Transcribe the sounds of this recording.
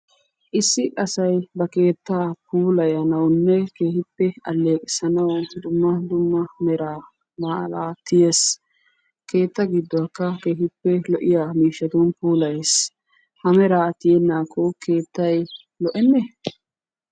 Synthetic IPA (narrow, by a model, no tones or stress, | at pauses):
ʔɪsːɪʔɐsɐjbɐke̞ːt̪ːaːpuːlɐjɐnɐwnːɛke̞ːhɪpːɛɐlːeːkʼɪsɐnɐwd̪ʊmːɐd̪ʊmːɐmɛɾaː | maːlaːt̪ɪjes | ke̞ːt̪ːɐɡɪd̪ːɔɐkːɐke̞ːhɪpːɛlɔʔɪjaːmiːʃːɐt̪ʊnpuːlɐjes | hɐmɛɾaːt̪ɪjɛnːaːkʰɔke̞ːt̪ːɐj | lɔʔɛnːɛ